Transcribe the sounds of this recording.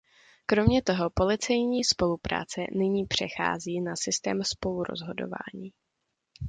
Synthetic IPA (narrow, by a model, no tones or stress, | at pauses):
kɾo̞mɲɛt̪o̞ɦo̞po̞lɪt͡sɛjɲiːspo̞lupɾa̰ːt͡sɛ̰nɪɲiːpr̝̥ɛxa̰ːziːnasɪst̪ɛːmspo̞luɾo̞̰zɦo̞do̞̰va̰ːɲiː